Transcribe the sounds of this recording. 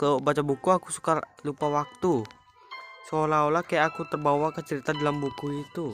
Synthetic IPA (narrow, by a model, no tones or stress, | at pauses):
kalobat͡ʃabukuaku̥su̥kalupawak̚t̪u | solaolahkajaʔːkut̪ərbawakat͡ʃəɾit̪adalambukuit̪u